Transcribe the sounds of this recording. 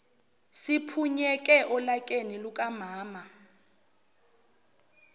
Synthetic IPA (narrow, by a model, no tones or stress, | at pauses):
sipʰuɲɛkʼɛʔɔlakʼenilukʼamaːma